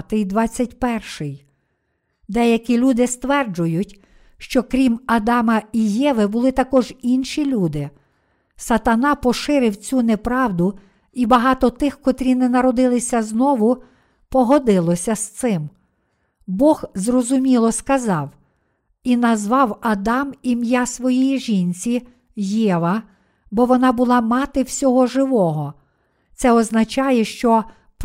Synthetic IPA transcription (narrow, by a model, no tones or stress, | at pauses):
t̪ɪjd̪ʋɑt͡sʲːɐtʲpɛrʃɪj | d̪ɛjɐkʲilʲud̪ɪst̪ʋɛrd͡ʒʊjʊtʲ | ʃt͡ʃɔkɾʲimɐd̪ɑmɐijɛʋɪbʊlˠɪt̪ɐkɔʒinʃilʲud̪ɪ | sɐt̪ɐnɑpɔʃɪɾɪwt͡sʲunɛpɾɑwd̪ʊ | ibɐɦɑt̪ɔt̪ɪxkɔt̪ɾʲinɛnɐɾɔd̪ɪlˠɪsʲɐznɔʋʊ | pɔɦɔd̪ɪlˠɔsʲɐst̪sɪm | bɔxzrɔzʊmʲilˠɔskɐzɑw | inɐzʋɑwɐd̪ɑmimjasʋɔjijiʒinʲt͡sʲi | jɛʋɐ | bɔʋɔnɑbʊlˠɑmɑt̪ɪwsʲɔɦɔʒɪʋɔɦɔ | t̪sɛɔznɐt͡ʃɑjɛʃt͡ʃɔ | p